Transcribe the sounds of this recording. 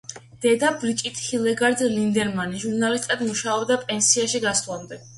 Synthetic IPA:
d̪̥ɛd̪abɾit͡ʃʼit̪ʰhilɛɡaɾd̪lind̪ɛɾmaniʒuɾnalist̪ʼad̪muʃaɔbd̪apʼɛnsiaʃiɡaslˠamd̪ɛ

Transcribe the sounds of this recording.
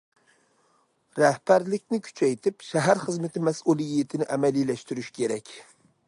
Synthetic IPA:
ɾɛhpæɾlɪkʲnɪkʲʰy̥t͡ʃʰɛjt̪ʰɪpʃɛɦæɾχəzmɪt̪ʰɪmɛsulˠjijit̪ʰɪnɪʔɛmɛlijlɛʃt̪yɾyʃkʲʰeɾɛkʲ

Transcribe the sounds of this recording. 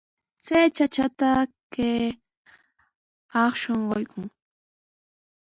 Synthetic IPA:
t͡sajt͡ʃat͡ʃat̪ake | ɑχʃoɴɢojkʊŋ

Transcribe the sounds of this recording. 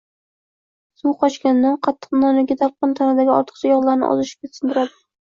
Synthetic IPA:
suqʰɒʃkʲanːanqʰɑt̪ʰːɨ̥qnɒnɪɡʲad̪ap̚qɨnt̪ʰanad̪aɡʲɪɒ̰ɾt̪ʰɨ̥qt͡ʃʰajɒlˠlaɾnɪ̰ʔɒ̰zɪʃɪ̥p̚kʲʰet̪sɪnd̪ɪɾad̪ɪ̥

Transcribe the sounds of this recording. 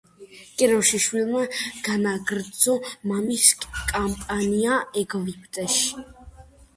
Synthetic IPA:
kʼɛɾɔwʃiʃwilˠmaɡ̥anaɡɾd̪zɔmamiskʼampʼaniaɛɡvipʰd̪ʼɛʃ

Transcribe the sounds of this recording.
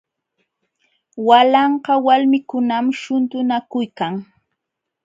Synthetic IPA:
walɑɴɢɑwalmɪkʊnamʃʊnt̪ʊnakʊjkaŋ

